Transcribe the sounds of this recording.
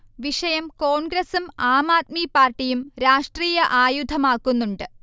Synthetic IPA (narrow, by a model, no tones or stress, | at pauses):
ʋiʂɐjɐmko̞ːnɡɾɐsumaːmaːt̪̚mipaːrʈːijumɾaːʂʈriːjɐʔaːjud̪ʱɐmaːkːunːuɳɖɨ